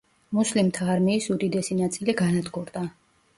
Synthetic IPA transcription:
muslimt̪ʰaːɾmiːsud̪id̪ɛsinat̪sʼiliɡanad̪ɡuɾd̪a

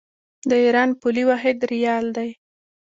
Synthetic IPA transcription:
d̪əiɾɑnpuliwɑɦɪd̪ɾijɑld̪aj

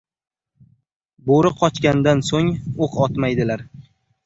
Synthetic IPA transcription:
boɾɪqʰɒt͡ʃkʲand̪ansoŋoqʰɒt̪majd̪ɪlaɾ

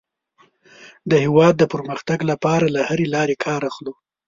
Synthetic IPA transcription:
d̪əhɪwɑd̪ːəpəɾməxt̪aɡlapɑɾalahaɾelɑɾekʰɑɾaxlo

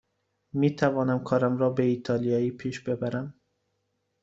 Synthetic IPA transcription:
miːt̪ʰævɒːnæmkʰɒːɾæmɾɒːbeiːt̪ʰɒːlijɒːiːpʰiːʃbe̞bæɾæm

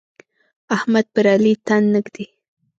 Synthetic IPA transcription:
ahmad̪̚paɾalit̪anːəkd̪ɪ

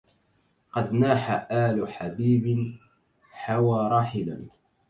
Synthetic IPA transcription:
qɑd̪naːħaʔaːlʊħabiːbɪ | ħawaːɾˤɑːħɪla̰n

